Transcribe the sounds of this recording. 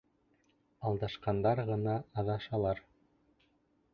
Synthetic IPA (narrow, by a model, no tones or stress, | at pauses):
ɑlˠd̪ɑʃqɑnd̪ɑɾʁɤ̆nɑːðɑʃɑlˠɑɾ